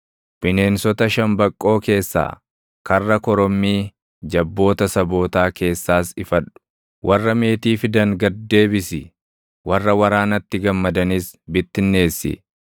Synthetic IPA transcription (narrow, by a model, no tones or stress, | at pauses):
bɪne̞ːnsɔt̪ɐʃɐmbɐkʼːo̞ːke̞ːsːa̰ː | kɐrːɐkɔɾɔmːiː | d͡ʒɐbːo̞ːt̪ɐsɐbo̞ːt̪aːkʰe̞ːsːaːsɪfɐᶑʊ̥ | wʔɐrːɐme̞ːt̪iːfɪd̪ɐŋɡɐd̪ːe̞ːbɪsɪ | wɐrːɐwɐɾaːnɐt̪ːɪɡɐmːɐd̪ɐnisbɪt̪ːɪnːe̞ːsːɪ̰